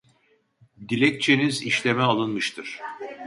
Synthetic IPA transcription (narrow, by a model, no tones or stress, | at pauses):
d̪ilʲɛk̚t͡ʃʰeniziʃlʲemɛalˠɯnmɯʃt̪ʰɯɾ̥